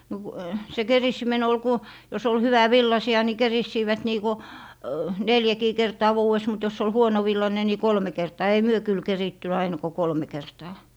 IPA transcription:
no ku se kerisːimen ol ku jos ol hyʋæʋilːɑsiɑ ni kerisːiːʋæt niː ku neljækiː kertɑː ʋuːes mut jos ol huonoʋilːɑne ni kolme kertɑː ei myø kyl keritːy ɑinɑ ko kolme kertɑː

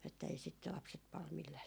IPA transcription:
etːæ ei sit lɑpset pɑl milːæː

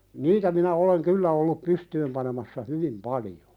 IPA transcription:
niːtæ minæ oleŋ kylːæ olːup pystyːm pɑnemɑsːɑ hyʋim pɑlijo̥

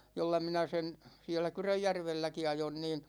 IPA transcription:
jolːɑ minæ sen sie̞lːæ kyrøjːærʋelːæki ɑjon niːn

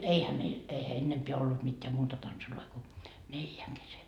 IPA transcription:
eihæ meil eihæ enːempeæ olːut mitːeæ muːtɑ tɑnsuloi ko neljæŋ kese

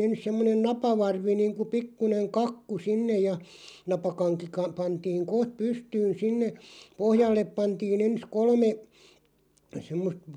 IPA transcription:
ens semːonen nɑpɑʋɑrʋi niːŋku pikːuneŋ kɑkːu sinːej̆ jɑ nɑpɑkɑŋki kɑ pɑntiːŋ koht pystyːn sinːe pohjɑlːep pɑntiːn ens kolme semːost

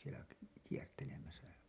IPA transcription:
sielæ k kiertelemæsæ

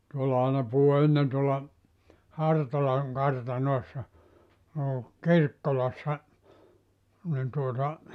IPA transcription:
tuolːɑ ɑinɑ puhu enːen tuolːɑ hɑrtolɑŋ kɑrtɑnoˑesːɑ noː kirkːolɑsːɑ nin tuotɑ

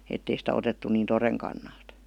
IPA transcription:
etːei sitæ otetːu niːn toreŋ kɑnːɑlt

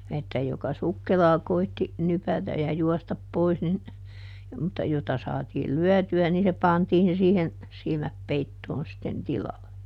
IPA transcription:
etːæ jokɑ sukːelɑː koitːi nypætæj̆ jɑ juɔstɑp pois nin mutːɑ jotɑ sɑːtiːl lyœˑtyæ niː se pɑntiːn siːhen silmæp peitːoːn sitːen tilɑlːe

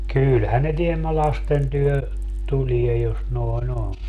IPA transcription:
kylhæn ne tiemːæ lɑsten tyhø tulie jos noi̯n on

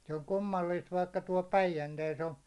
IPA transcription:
se on kumːɑlːiːst ʋɑikːɑ tuɒl pæijænteːs on̞

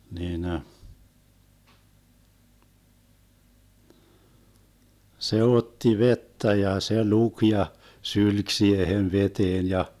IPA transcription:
niːnə se otːi ʋetːæ jɑ se luk jɑ sylk siːhen ʋeteːn jɑ

